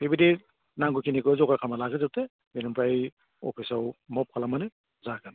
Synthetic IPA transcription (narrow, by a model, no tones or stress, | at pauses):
bibidi | naŋɡukʰinikɯzɔkaɾkʰamalaɡɯzɯte | binampʰaj | ɔ̰pʰisawmɔp̚kʰalamanɯ | zaɡan